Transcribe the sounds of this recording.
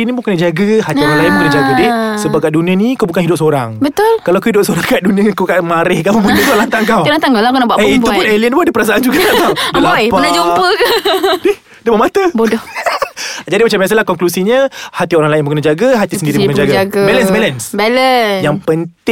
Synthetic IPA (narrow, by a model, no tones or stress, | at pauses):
inimukənəd͡ʒaɡəhat̪ioɾaŋlaɪnmukənəd͡ʒaɡadɪhsəbakaduniənĩkawbukanɦidʊp̚soɾaŋbət̪ʊlkalawkuhidʊp̚soɾaŋkaʔdunĩəkukaʔmaɾɛhkamubunək̪ukalant̪aŋkawlant̪aŋkawlakunaʔbuaʔeit̪upʊneliənpʊnadəpəɾasaʔand͡ʒuɡakakaəlaɔjpənad͡ʒumpəkadɪh | diəməmat̪əbodɔh | d͡ʒadimat͡ʃambias̬alahkɔŋklusiɲəhat̪ioɾaŋlaɪnmbuŋkənad͡ʒaɡəɦat̪issəndiɾiknkd͡ʒaɡaɡabɛlənsbɛlənsbɛləjaŋpənt̪ɪ